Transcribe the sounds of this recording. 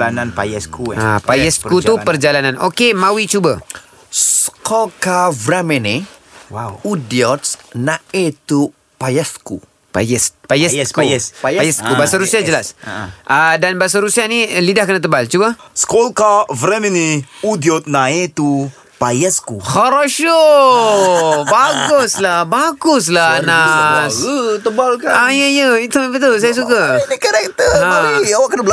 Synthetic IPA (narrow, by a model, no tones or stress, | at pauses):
ananpajɛskuapajɛskut̪upərd͡ʒalananokemawit͡ʃubə | skɔlkavɾɛmɛni | udiɔt̪nãet̪u | pajɛsku | pajɛspajɛskupajajɛskubaasaɾusiad͡ʒəlasʔədanbaas̬aɾusianilidahkənat̪̬əbalt͡ʃubaskolkavɾɛminiudiɔt̪̚naet̪u | pajɛskuxaɾoʃo | baɡuslahbaɡʊs̬lanast̪əbalkaaijəijəit̪ubət̪̬uls̬ajas̬ukainikaɾɛk̚t̪əaiawaʔkənabəl